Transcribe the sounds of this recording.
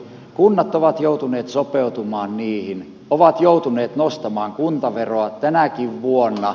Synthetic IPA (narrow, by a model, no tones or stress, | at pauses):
kunːɑt̪ːoʋɑt̪jout̪uneːt̪sopeut̪umɑːnniːhin | oʋɑt̪jout̪uneːt̪nost̪ɑmɑːŋkunt̪ɑʋeroɑt̪ænækiʋʋuonːɑ